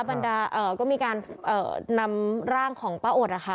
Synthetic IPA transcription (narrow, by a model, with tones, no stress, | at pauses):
ba˧ndaː˧ʔɤː˨˩kɔː˥˩miː˧kaː˧nʔɤ̰ː˨˩na˧mɾaː˥˩ŋkʰɔː˩˦ŋpaː˧˥ʔoː˨˩t̪̚ʔa˨˩kʰa˦˥